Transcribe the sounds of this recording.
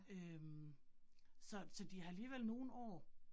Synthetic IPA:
øm | sɒ̽sɒ̽d̥iɑ̈æliːʋelno̝ːn̩ɒ̰ː

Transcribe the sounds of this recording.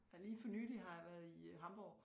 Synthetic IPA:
liːfɒ̽nyːliɦɑ̈jɑʋæɐðˠiɦɑ̈mb̥ɒʊ

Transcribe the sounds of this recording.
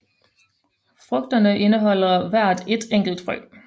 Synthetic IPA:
fʁɔɡ̥̚d̥ɐnəʔe̝nəɦɒ̽l̰ɐʋæɐ̰d̥e̝d̥eŋ̰ɡ̥l̩d̥fɒl̰ɡ

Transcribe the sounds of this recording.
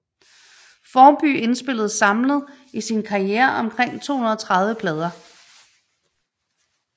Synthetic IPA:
fɒːb̥y̰e̝nsb̥e̝l̰ð̞̩ˠsɑ̈mləð̩ˠ | isinkʰɑ̈ieːɐʔɒ̽mkʰʁeŋ̰t͡sʰo̝̰ːhunɐð̩ˠɒt͡sʰʁɑ̈ð̞ˠʋəpʰlɛːð̞ˠɐ

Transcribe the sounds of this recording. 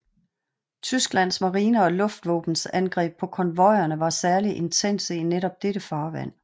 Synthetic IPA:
t͡sʰysɡ̥læn̰smɑ̈ʁiːnəɒ̽lɔ̽fd̥ʋɔ̰̽ːb̥n̩sænɡ̥ʁɛ̰ːb̥̚pʰɒ̽kʰɒ̽nʋɒ̽ɪ̰ɐnəʋɑ̈sæɐliʔe̝nt͡sʰen̰səineɾɒ̽b̥̚d̥eɾəfɑ̈ːʋæ̰n̰

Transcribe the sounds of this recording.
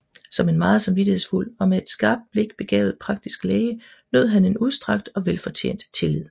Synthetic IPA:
sɒ̽me̝nmɑ̈ːð̩ˠsɑ̈mʋidihe̝ðˠsful̰ɒ̽mee̝d̥sɡ̥ɑ̈ːb̥̚d̥̚b̥le̝ɡ̥b̥e̝ɡ̥ɛ̰ːʊð̩ˠpʰʁɑ̈ɡ̥̚d̥isɡ̥leːɪə | nøð̩̰ˠɦæne̝nuð̞ˠsd̥ʁɑ̈ɡ̥̚d̥ɒ̽ʋelfɒ̽t͡ɕʰḛːnd̥t͡sʰe̝lið̞̰ˠ

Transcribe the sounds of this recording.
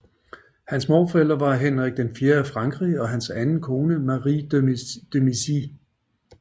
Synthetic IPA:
hænsmɒːfɒeld̥ɐʋɑ̈ɦenʁaɡ̥̚d̥enfje̝ːɐæfʁɑ̈ŋɡ̥ʁiɒ̽ɦænsænn̩kʰo̝ːnəmɑʁid̥ømisi

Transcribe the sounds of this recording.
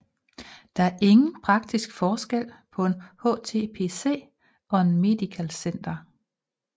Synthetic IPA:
d̥ɑ̈æɐʔe̝ŋn̩pʰʁɑ̈ɡ̥̚d̥isɡ̥fɒːsɡ̥el̰pʰɒ̽e̝nho̰̽ːt͡sʰe̝ːpʰe̝̰se̝̰ː | ɒ̽e̝nme̝d̥ikʰælsen̰d̥ɐ

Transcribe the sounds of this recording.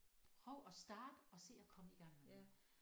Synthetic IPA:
pʰʁœʊ̰ɒ̽sd̥ɑ̈ːd̥əɒ̽se̝̰ːɒ̽kʰɒ̽məiɡ̥ɑ̈ŋ̰me

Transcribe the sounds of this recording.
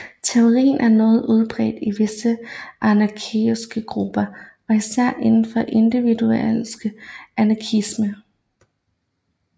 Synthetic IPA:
t͡sʰe̝o̝ʁḭːn̩ʔæɐnɔ̽ːð̞̩ˠuð̞ˠb̥ʁɛ̰ːd̥iʋe̝səʔɑnɑkʰisɡ̥əɡ̥ʁub̥ɐ | ɒ̽isæɐ̰ʔe̝nn̩fɒ̽ʔe̝nd̥iʋid̥uelsɡ̥əænɑ̈kʰismə

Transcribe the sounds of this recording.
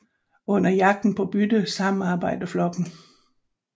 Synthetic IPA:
ɔ̽n̰ɐjɑ̈ɡ̥̚d̥n̩pʰɒ̽b̥yd̥əsɑ̈mn̩ɑ̈ːb̥ɑ̈ɪ̰d̥ɐflɒ̽ɡ̥n̩

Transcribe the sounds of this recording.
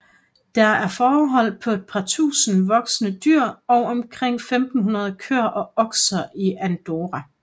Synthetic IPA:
d̥ɑ̈æɐfɒːɦɒ̽l̰pʰɒ̽e̝d̥̚pʰɑ̈t͡sʰṵːsn̩ʋɒ̽ɡ̥sənəd̥yɐ̰ɒ̽ʊɒ̽mkʰʁeŋ̰femd̥n̩ɦunɐð̞ˠkʰøɐ̰ʔɒ̽ɒ̽ɡ̥sɐʔiænd̥o̝ʁæ

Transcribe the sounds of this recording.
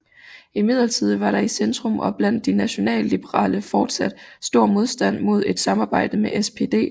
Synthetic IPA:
imið̞̰ˠlɐt͡sʰið̞̰ˠʋɑ̈ɾ̥ɑ̈isend̥ʁɔmɒ̽b̥læn̰d̥ːinæɕo̝nɛ̰ːllib̥əʁɑ̰̈ːləfɒːd̥sæd̥sd̥o̝ɐ̰mo̝ð̞ˠsd̥æn̰mo̝ð̞̰ˠe̝d̥sɑ̈mɑ̈ːb̥ɑ̈ɪ̰d̥əmeʔespʰe̝ːd̥e̝̰ː

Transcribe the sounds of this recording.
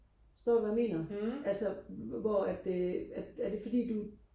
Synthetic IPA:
sd̥ɒ̰ːʋæme̝̰ːnɐælsɐʋɒæd̥eæ̥æɐd̥e̝fɒ̽d̥ḭːd̥u

